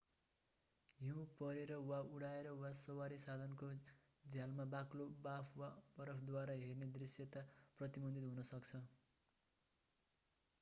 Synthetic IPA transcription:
joũpʌɾeɾʌwauɽaeɾʌwasowaɾisad̪ʱʌnko | d͡zjalmabaklobapʰwabʌɾʌpʰd̪waɾaɦerned̪risjʌt̪aprʌt̪ibʌnd̪it̪ɦunʌsʌkt͡sʰʌ

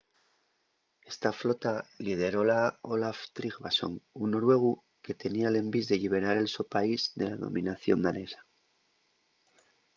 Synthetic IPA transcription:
e̞st̪aflo̞t̪alið̞e̞ɾo̞laolaft̪ɾiɣβaso̞̰ŋunoɾwe̞ɣ̞u | ke̞t̪e̞niaele̞mbizðeʎiβ̞e̞ɾaɾe̞lsopaizðe̞laðo̞̰mʔĩnaθjo̞̰nd̪ane̞sḁ

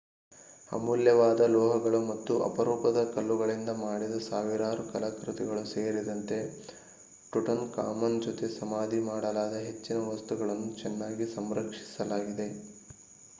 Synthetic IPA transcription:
ɐ̰muljɐʋaːd̪ɐlɔːɦɐɡɐɭumɐt̪ːuʔɐ̰pɐɾɔːpɐd̪ɐkɐlːuɡɐɭind̪ɐmaːɽid̪ɐsaːʋiɾaːɾukɐlɐkɾut̪iɡɐɭuse̞ːɾid̪ɐnt̪e̞ | ʈuʈɐnka̰ːmɐnd͡ʒɔt̪e̞sɐmaːd̪ʱimaːɽɐlaːd̪ɐɦe̞t͡ʃːinɐʋɐst̪uɡɐɭɐnːut͡ʃɛnːaːɡisɐmɾɐkʂi̥sɐlaːɡid̪e̞

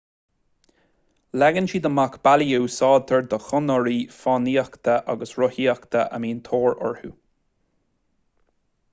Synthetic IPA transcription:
lɛɡənʃiːd̪əmakbaliuːsɑːd̪̚t̪ʰəɹd̪əxʊnəɹiːfɑːniːakt̪ʰəʔa̰ɡəsɹʊhiːakt̪ʰəʔə̰miːnt̪ʰoːɹɔ̰ɹhṵ

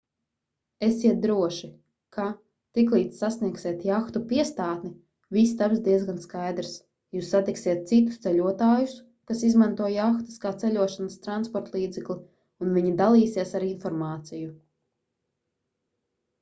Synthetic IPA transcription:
esiɛt̪̚d̪ɾuɔʃi | kʰa | t̪iklˠiːt̪sʲːasniɛksiɛt̪jaxt̪upiɛst̪aːt̪ni | vist̪absd̪iɛzɡanskajd̪ɾs | juːsːat̪iksiɛt̪̚sit̪u̥st̪sɛʎʲuɔt̪aːjus | kasizmant̪uɔjaxt̪ɨ̥skaːt̪sɛʎʲuɔʃanast̪ɾanspɔɾt̪lˠiːd̪zɛklˠi | unviɲid̪alˠiːsiɛsaɾinfɔɾmaːt̪siju

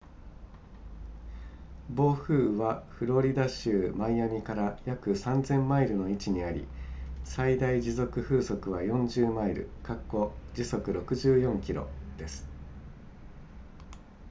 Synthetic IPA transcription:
bo̞ːɸɯ̟ːβaɸɯ̟ɾo̞ɾʲid̪aɕɯːmaijamʲikaɾajakɯ̟sãnzẽ̞mːaiɾɯ̟no̞it͡ɕiɲ̟iaɾʲḭsaid̪aid͡ʑizo̞kɯ̟ɸɯ̟ːso̞kɯ̟βajõ̞ɲd͡ʑɨːmaiɾɯ̟̰kakːo̞d͡ʑiso̞kɯ̟ɾo̞kɯ̟ʑɨːjõ̞ŋkʲiɾo̞̰d̪̥e̞sɨ̥

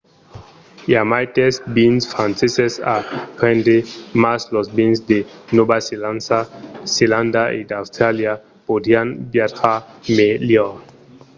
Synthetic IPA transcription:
jamajt̪esbinsfɾãnsesesapʁẽndemaslosbinsd̪enobaselansaseland̪aʔid̪awst̪ɾalja | pod̪ianbjat̪χameljɔ

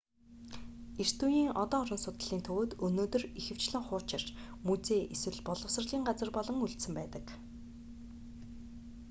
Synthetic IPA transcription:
er̥t̪ujiːŋɔt̪ɔːɾɞ̆nsʊt̪ə̆ɮiːnt̪ʰɵwoːt̪ɵnoːt̪ɵ̆rixɘ̆w̥t͡ɕɮɘ̆ŋχʊːrt͡ɕɪ̆r̥t͡ɕ | mut͡seːʔeswɘ̆ɮpɔɮɞ̆wsə̆rɮiːŋɢat͡sə̆rpɔɮɞ̆ŋuɮt̪sɘ̆mpæːt̪ə̆k

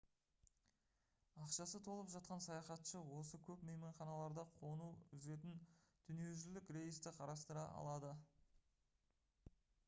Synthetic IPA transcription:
ɑqʃɑsət̪ʰo̞lˠəpʒɑt̪̚qɑnsɑjɑχɑt̪ʃəwo̞səkʲʰɵpmejmeɴχɑnɑlˠɑɾd̪ɑqʰo̞nuʏze̞t̪ɪnd̪̥ʏnie̞wʒɪlɪkɾe̞jəst̪ɪqʰɑɾɑst̪əɾɑʔɑ̰lˠɑd̪ə

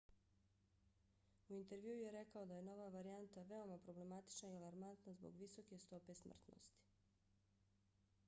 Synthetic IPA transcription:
uint̪e̞ɾʋjuːujeɾekao̞d̪aje̞no̞ʋaʋaɾiant̪aʋeo̞mapɾo̞ble̞mat̪i̥t͡ʃnaialˠaɾmant̪nazbo̰ɡʋiso̞ke̞st̪o̞pe̞smr̩t̪no̰st̪i̥

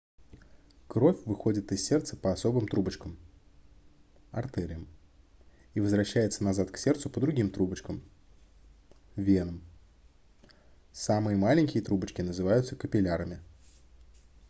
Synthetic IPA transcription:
kɾo̞fʲvɨxo̞dʲɪt̪ɨsʲsʲert̪sə̥pəɐso̞bɨmt̪ɾubət͡ɕkəm | ɐ̰rt̪ɛɾʲɪjəm | ivəzvɾɐɕːæjɪt̪sənɐzat̪ksʲe̞rt̪sʊpəd̪ɾʊɡʲimt̪ɾubət͡ɕkəm | vʲe̞nəm | samɨjəmalʲɪnʲkʲɪjət̪ɾubət͡ɕkʲɪnəzɨvajʊt̪səkəpʲɪlʲaɾəmʲɪ

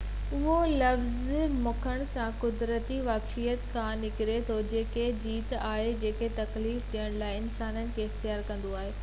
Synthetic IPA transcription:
ʊɦolɐfzmʊkʰəɽ̃sãkʊd̪ɾət̪iʋaːkfijət̪kʰãːnɪkɪɾet̪ʰod͡ʑeːked͡ʑiːt̪aːɦed͡ʑeːket̪ɐkliːft̪ʰijəɽ̃laːɪɪnsaːnənɪ̆kʰeːɪxt̪ijaːɾkɐ̃n̆d̪oaːɦeː

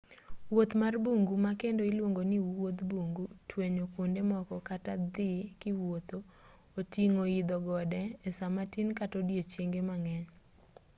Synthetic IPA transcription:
wot̪marbuŋɡumakendoilwoŋɡonɪwot̪buŋɡutweɲokondemɔkɔkatad̪ɪkɪwot̪oː | tiŋoid̪ɔɡɔdɛɛsamatinkatodjet͡ʃeŋɡemaŋɛɲ

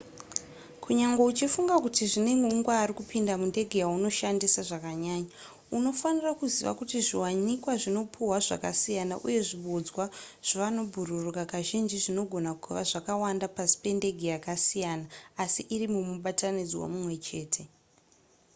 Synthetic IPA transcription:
kʰuɲaŋɡe̞ut͡ʃifuŋɡakutiʐine̞ŋɡeuŋɡwaːrikupindamunde̞ɡʱejauno̞ʃandisaʐakaɲaːɲa | uno̞fanirakuziʋa̰kutiʐiwaɲikwaʐino̞pʰuwaʐa̰kasijana̰ʔṵje̞ʐiɓod͡zwaʐ̥oʋano̞bʱururukakaʒind͡ʒiʐino̞ɡʱo̞nakuʋaʐakawandapasi̥pe̞nde̞ɡʱejakasijanaːsiʔirimumuɓatanid͡zwa̰mumwe̞t͡ʃe̞ːtʰe̞

